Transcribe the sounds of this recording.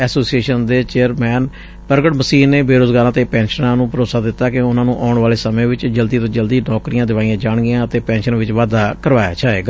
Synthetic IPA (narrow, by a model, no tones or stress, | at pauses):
ɛːsoːsieːʃənd̪eːt͡ʃeːəɾmɛːn | pəɾɡəʈməsiːnːeːbeːɾoːzɡaːɾãːt̪eːpɛ̃ːnʃənãːnũːpəɾoːsaːd̪ɪt̪ːaːkɪʊnãːnũːʔaːʊɳʋaːleːsəmẽːʋɪt͡ʃd͡ʒəld̪iːt̪õːd͡ʒəld̪iːnɔːkɾijãːd̪ɪʋaːiãːd͡ʒaːɳɡɪjãːət̪eːpɛ̃ːnʃənʋɪt͡ʃʋaːd̪aːkəɾʋaːja̰ːt͡ʃaːɦḛːɡaː